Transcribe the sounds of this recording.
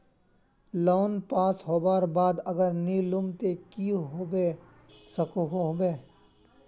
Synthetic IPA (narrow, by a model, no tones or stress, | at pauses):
loːnpaːsɦoːbaːɾbaːd̪ɐɡəɾnilʊmt̪ekiɦobe | səkoɦobeː